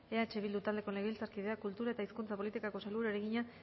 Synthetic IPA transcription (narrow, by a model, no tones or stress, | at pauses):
e̞at͡ʃeβ̞ild̪ut̪ald̪e̞ko̞neɣilt͡saɾkiðe̞akult̪uɾae̞t̪aiskunt͡sapo̞lit̪ikako̞saluɾaeɾeɣiɲa